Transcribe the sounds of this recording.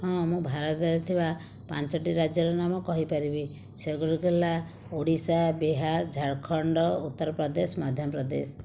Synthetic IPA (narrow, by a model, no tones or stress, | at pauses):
hɔ̃mũbʱaɾɔt̪d͡ʒaɾɔt̪ʰiba | pant͡ʃɔʈiɾad͡ʒjɔɾɔnamɔkɔɦipaɾibi | seɡɔɽuɡela | oɽisabiɦaɾd͡ʒʱaɽkʰɔɳɖɔut̪ːɔɾɔpɾɔd̪esmad̪ʱjɔpɾɔd̪ḛs